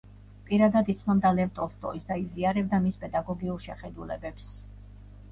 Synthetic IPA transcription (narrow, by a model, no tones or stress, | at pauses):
pʼiɾad̪ad̪it̪sʰnɔmd̪alɛvt̪ʼɔlˠst̪ʼɔ̰isd̪aiziaɾɛb̚d̪amispʼɛd̪aɡɔɡiuɾˠʃɛχɛd̪ulɛ̰bɛps